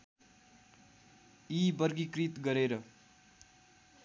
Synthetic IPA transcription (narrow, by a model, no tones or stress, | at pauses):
ibʌrɡikrit̪ɡʌɾeɾʌ